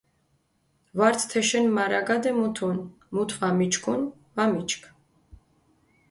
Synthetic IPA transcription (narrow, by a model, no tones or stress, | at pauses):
vaɾt̪ʰt̪ʰɛʃɛnmaɾaɡad̪ɛmut̪ʰun | mut̪ʰvamit͡ʃʰkʰun | vamit͡ʃkʰ